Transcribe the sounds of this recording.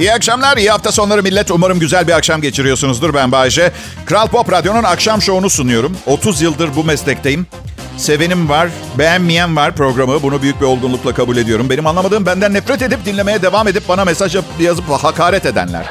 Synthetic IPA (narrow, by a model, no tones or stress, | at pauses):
ijiakʃamlʲˠaɾijihaft̪aso̞nlˠaɾɯmilʲːɛt̪umaɾɯmɟyzælʲbiakʃamɟet͡ʃʰiɾijo̞sunuzd̪uɾbænbaːid͡ʒɛ | kɾalˠpo̞pɾad̪jo̞nunakʃamʃo̞unusunujo̞ɾumo̞t̪ʰuzjɯlˠd̪ɯɾbumɛslʲɛct̪ʰe̞jim | se̞ve̞nimvaɾ̥ | bejænːijænvaɾ̥pɾo̞ɡɾamɯbunubyjyc̚bio̞lˠɡunlˠuklˠakʰabuːlʲe̞d̪ijo̞ɾumbe̞nimanlˠamad̪ɯːmbænd̪ænːɛfɾɛt̪e̞d̪ip̚d̪inlʲe̞me̞jɛd̪e̞vaːme̞d̪ip̚baname̞saʒjajazɯpahakʰaːɾɛt̪e̞d̪æ̰nlʲæ̰ɾ̥